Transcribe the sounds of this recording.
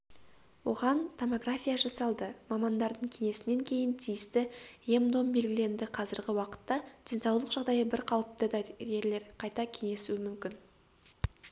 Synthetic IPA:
wo̞ʁɑnt̪ʰo̞mo̞ɡrafʲijaʒɑsɑlˠd̪əmɑmɑnd̪ɑɾd̪əɴkʲʰe̞ŋe̞sɪne̞ŋkʲʰe̞jɪnt̪ʰijɪst̪ɪemd̪o̞mbe̞lɡʲɪle̞nd̪ɪqʰɑzɪɾɡʲɪwɑqə̥t̪ːɑd̪̥ensɑwlˠəqʒ̥ɑʁd̪ɑjəbɪɾqʰɑwəp̚t̪əd̪ɑɡʲe̞ɾle̞ɾqʰɑjt̪ɑkʲʰe̞ŋe̞suwɪmʏmkʲɪn

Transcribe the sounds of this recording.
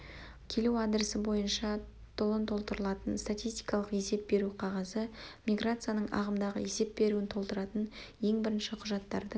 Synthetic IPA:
kʲʰe̞lewad̪ɾəsəbo̞jənʃɑ | t̪ʰʊlˠənt̪ʰo̞lˠt̪əɾəlˠɑt̪ənst̪at̪ʲijst̪i̥jkɑlˠəqje̞se̞p̚be̞ɾuqʰɑʁɑzəmʲijɡɾat̪sɨjanəɴɑ̰ʁəmd̪ɑʁə̰je̞se̞p̚be̞ɾuɪnt̪ʰo̞lˠt̪əɾɑt̪ənje̞ŋbɪɾɪnʃɪqʰʊʒɑt̪ːɑɾd̪ə

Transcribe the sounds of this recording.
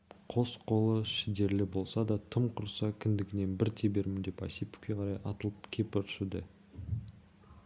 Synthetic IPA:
qʰo̞sqʰo̞lˠəʃɪd̪e̞ɾlɪbo̞lˠsɑd̪ɑt̪ʰəmqʰʊɾsɑkʲʰɪnd̪ɪɡʲɪne̞nbɪɾt̪ʰebe̞ɾmɪnd̪e̞pɑ̰jsipʏ̥kʲːe̞qʰɑɾɑjʔɑ̰t̪əlˠəpkʲʰe̞pʏt̪ʰʃud̪ɪ

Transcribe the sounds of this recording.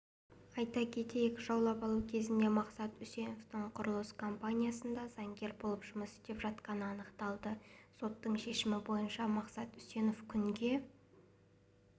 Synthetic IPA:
ɑjt̪ɑkʲʰe̞t̪e̞jekʲʒɑwlˠɑpɑlˠukʲʰe̞zɪnd̪e̞mɑqsɑt̪ʏse̞no̞ft̪əɴqʰʊɾlˠəskʰo̞mpanʲijasənd̪ɑzɑŋɡʲe̞ɾbo̞lˠəpʒ̥ʊməst̪e̞pʒɑt̪qɑnəɑnəqt̪ɑlˠd̪əso̞t̪ːəɴʃe̞ʃɪmɪbo̞jənʃɑmɑqsɑt̪ʏse̞no̞fkʲʰʏŋɡʲe̞

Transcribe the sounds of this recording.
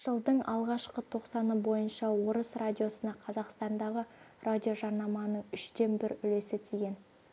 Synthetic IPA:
ʒ̥əlˠd̪əɴɑlˠʁɑʃqət̪ʰo̞qsɑnəbo̞jənʃɑwo̞ɾəsrad̪ʲijo̞sənɑqʰɑzɑqst̪ɑnd̪ɑʁə | rʔadʲio̞ʒɑɾnɑmɑnəɴʏʃd̪e̞mbɪɾʏle̞sɪt̪ʰiɡʲe̞n

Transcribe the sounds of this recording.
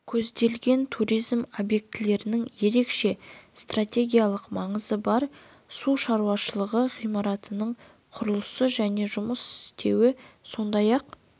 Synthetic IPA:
kʲʰɵzd̪e̞lɡʲe̞nt̪ʰuɾijzmo̞bje̞k̚t̪ɪle̞ɾɪnɪŋje̞ɾe̞kʃe̞st̪ratʲe̞ɡʲijalˠəqmɑɴəzəbɑɾ | suʃɑɾuwɑʃəlˠəʁəʁijmɑɾɑt̪ənəɴ | qʰʊɾəlˠəsəʒæne̞ʒʊməsɪst̪ʰe̞wɪso̞nd̪ɑjɑq

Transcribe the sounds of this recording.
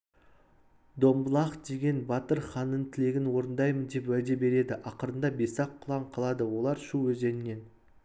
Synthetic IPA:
d̪o̞mbəlˠɑχd̪e̞ɡʲe̞nbɑt̪əɾχɑnːəɴt̪ʰɪle̞ɡʲɪnwo̞ɾənd̪ɑjmənd̪e̞pwæld̪e̞be̞ɾe̞d̪ɪʔɑqəɾənd̪ɑbe̞sɑqʰːʊlˠɑɴqʰɑlˠɑd̪əwo̞lˠɑɾʃuwɵze̞nɪnːe̞n

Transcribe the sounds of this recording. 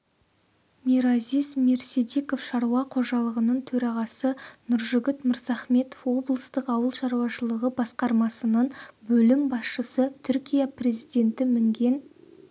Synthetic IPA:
miɾazizme̞ɾse̞d̪eko̞fʃɑɾuwɑqʰoʒɑlˠəʁənəɴt̪ʰɵɾɑʁɑsənʊɾʒʏɡʲɪt̪mɪɾzɑχme̞t̪ofwo̞blˠəst̪əqɑwəlˠʃɑɾuwɑʃəlˠəʁəbɑsqɑɾmɑsənənbɵlɪmbɑsʃəsət̪ʰʏɾkʲijaprʲe̞zijd̪e̞nt̪ɪmɪŋɡʲe̞n

